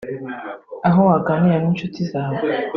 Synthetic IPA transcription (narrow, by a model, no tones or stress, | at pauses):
aɦowaːɡaːniɾaniːnt͡ʃʃutizaːβo